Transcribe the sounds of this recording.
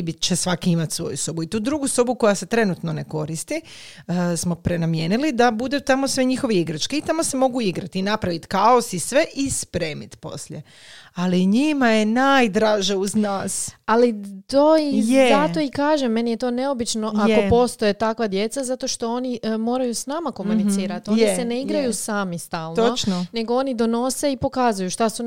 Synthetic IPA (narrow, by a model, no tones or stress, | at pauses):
bit͡ʃesʋakiimat̪sʋo̞̰jusobuit̪uːd̪ɾuɡusobuko̞jase̞t̪ɾe̞nut̪no̞ne̞ko̞ɾist̪i | əsmo̞pɾenamje̞ːnilid̪abud̪et̪amosʋeɲixo̞ʋeiɡɾat͡ʃkeit̪amo̞se̞mo̞ɡuiɡɾat̪inapɾaʋit̪kaosisʋe̞ʔispɾe̞ːmit̪po̞̰sʎḛ | aliɲimajenaːjd̪ɾaːʒeuznaːsalit̪oijezat̪o̞ikaːʒemːe̞nije̞t̪o̞ːne̞o̞bit͡ʃno̞ʔako̞po̞st̪o̞jet̪akʋad̪je̞t̪sazat̪o̞ʃt̪o̞o̞nimo̞ːɾajusnamako̞munisiːɾat̪ojnise̞neiɡɾajusaːmist̪aːlnoot͡ʃnone̞ɡo̞o̞nid̪o̞no̞se̞ipo̞kaːzujuʃt̪asu